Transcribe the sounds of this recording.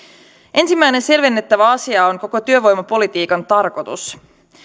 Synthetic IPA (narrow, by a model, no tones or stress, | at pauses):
ʔe̞nsimːæjne̞nse̞lʋenːe̞t̪ːæʋæɑsiɑoŋko̞ko̞t̪yø̞ʋo̞jmɑpo̞lit̪iːkɑnt̪ɑrko̞t̪us